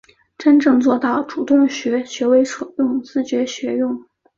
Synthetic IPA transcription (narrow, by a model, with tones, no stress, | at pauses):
ʈ͡ʂə˥nʈ͡ʂɤ˥˧ŋt͡swɔ˥˧t̪ɑ˥˩ʊʈ͡ʂu˨˩t̪ʊ˥˩ŋɕɥɛ˧˥ɕɥɛ˧˥we˧˥ɪʂʰɤ˨˩ʊt̪ʊ˥˩ŋt͡sɹ̩˥t͡ɕɥɛ˧˥ɕɥɛ˧˥jʊ˥˩ŋ